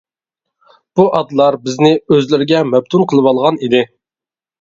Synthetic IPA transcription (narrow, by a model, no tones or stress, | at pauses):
b̥uʔɑd̪lˠɑɾbɪznɪøzlɪɾɪɡʲɛmɛb̚t̪ʰunqʰəlˠɨwɑlˠʁɑnid̪ɪ